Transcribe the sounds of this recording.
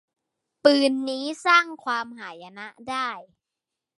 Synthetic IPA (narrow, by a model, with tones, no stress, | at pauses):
pɯː˧nːiː˦˥saː˥˩ŋkʰwaː˧mɦaː˩˦ja˧na˦˥ʔdaː˥˩j